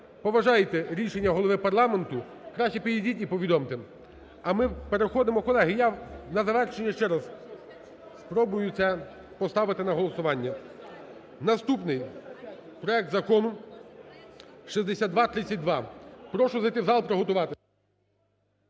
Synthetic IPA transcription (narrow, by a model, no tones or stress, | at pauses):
pɔʋɐʒɑjet̪ɛɾʲiʃenʲːɐɦɔlˠɔʋɪpɐrlˠɑment̪ʊ | kɾɑʃʲt͡ʃipʲididʲitʲipɔʋʲid̪ɔmt̪e | ɐmɪpeɾexɔd̪ɪmɔkɔlˠɛɦɪjanɐzɐʋɛrʃenʲːɐʃt͡ʃɛɾɐs | spɾɔbʊjʊsʲɛ | pɔst̪ɑʋɪt̪ɪnɐɦɔlˠɔsʊʋɑnʲːɐ | nɐst̪upnɪj | pɾɔɛk̚t̪zɐkɔnʊ | ʃizd̪esʲad̪d̪ʋɑt̪ɾɪt͡sʲːɐt̚ʲd̪ʋɑpɾɔʃʊzɐjt̪ɪwzɑlˠpɾɔɦɔt̪ʊʋɑt̪ɪ